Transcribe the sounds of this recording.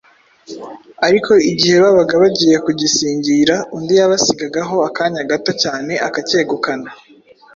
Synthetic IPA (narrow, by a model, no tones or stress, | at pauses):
aɾikʰo̞iɟihe̞βaβaɡaβaɟije̞kuɟisiːɲɟiɾaundijaβasiɡaɡaɦo̞akaːɲaɡato̞caːne̞ʔakace̞ːɡukana